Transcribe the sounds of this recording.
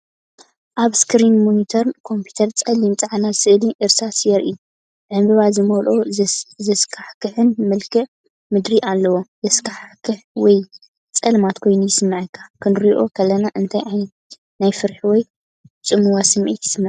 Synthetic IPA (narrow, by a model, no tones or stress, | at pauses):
ʔaβskʰɨɾinmonit̪ʰoɾnkʰo̞mpʰu̥t̪ʰɐɾt͡sʼɐlːimt͡sʼaʕanasɨʔliʔɨɾsasjɛɾʔi | bʕɨmbɨβazɨmolʔozɐskʰaħkɨħɨnmɨlkʰɨ | mɨd̪ɾiʔalːɐwozɐskʰaħkʰɨħwɔj | t͡sʼɐlmat̪kʰo̞jnujɪsɨmːɨʕɨkʰːḁkʰɨnɾiʔokʰɐlːɐnaʔɨnt̪ʰajʔajn | najfɨɾħiwɔj | t͡sʼɨmuwasɨmʔḭt̪ʰɪ̥sɨmːɨʕ